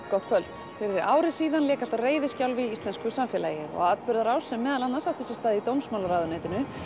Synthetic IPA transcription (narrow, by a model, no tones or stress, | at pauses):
kɔt̪̚kʰvœlt̪ | fɪɾɪɾa̰ːwɾɪsiːðanlɛːkalt̪areːjðɪscawlvɪisɛnskʏjsamfɛla̰jɪɔ̰ɣat̪pʏɾðaɾaːwsɛmɛːðalanːasawht̪ʰɪsɛst̪aːðɪit̪owmsmawlaɾaːðʏnejt̪ɪnʏ